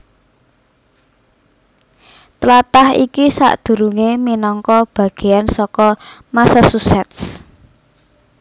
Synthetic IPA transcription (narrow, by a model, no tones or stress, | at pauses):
t̪lat̪ahḭkisa̰ʔd̪̥ṳɾuŋeminɔŋkɔb̥ä̤ɡ̥e̤ansɔkɔmasasusɛt̪s